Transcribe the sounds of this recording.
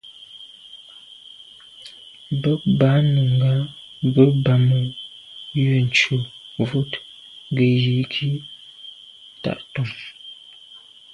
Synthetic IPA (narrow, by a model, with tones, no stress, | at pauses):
bə˦ba˨˦nə˨ŋɡa˨˦ | bə˦ba˨mə˨ | jə˨n̩˨t͡ʃu˨vu˦t | ŋ˦ɡə˨ji˨˦kʰi˦˨ | ta̰˦˨ʔtɔ˨m